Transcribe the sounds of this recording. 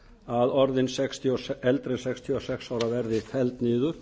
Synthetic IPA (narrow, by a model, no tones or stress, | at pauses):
aðɔɾðɪnsɛkst̪ʰiɔsɛlt̪ɾɪnsɛkst̪ʰiɔsɛksaːwɾavɛɾðɪfɛlt̪niːðʏɾ̥